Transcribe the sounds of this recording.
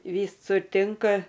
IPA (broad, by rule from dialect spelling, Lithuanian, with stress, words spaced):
ˈʋʲiːsʊr ˈtʲɪŋkɐ